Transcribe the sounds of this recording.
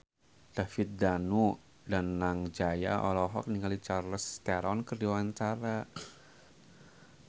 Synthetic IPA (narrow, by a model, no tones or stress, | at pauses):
d̥afɪt̪̚danu | danːaŋd͡ʒaja̰ʔɔlɔɦɔk̚niŋalit͡ʃarləst̪aɾɔnkərdiwaɲt͡ʃaɾa